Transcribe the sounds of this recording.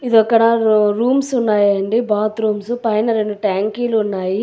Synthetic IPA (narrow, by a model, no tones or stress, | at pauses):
id̪ɔkːɐɽɐɾuːmsunːaːjɐɳɖibaːt̪ɾuːmsupɐjnɐɾenːuʈaːŋkiːluːnːaːji